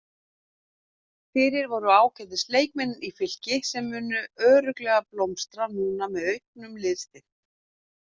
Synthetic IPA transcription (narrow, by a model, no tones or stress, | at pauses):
fɪːɾɪɾvɔɾʏaːwcɛt̪ðɪst̪leːjk̚mɛnːʏnifɪl̥cɪsɛmːʏːnʏœːɾʏklɛɣaplowmst̪ɾanuːnamɛðœɥhknʏmlɪðst̪ɪ